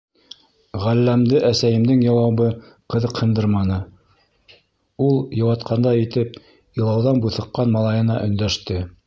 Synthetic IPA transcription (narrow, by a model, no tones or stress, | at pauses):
ʁælːæmd̪ɘʔæsæjɘ̆md̪ɘŋjɑwɑβɤ | qɤ̆ðɤqhɤ̆nd̪ɤɾmɑnɤ | ulˠjɑ̆wɑt̪qɑnd̪ɑit̪ɘp̚ | ilˠɑwðɑnbuθɤ̆qːɑnmɑlˠɑjɤ̆nɑ̰ʔɵ̆nd̪æʃt̪ɘ